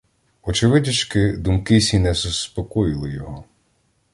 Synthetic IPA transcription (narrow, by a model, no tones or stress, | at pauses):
ɔt͡ʃɪʋɪdʲɐt͡ʃkɪd̪umkɪsʲinɛzʊspɔkɔjɪlˠɪjɔɦɔ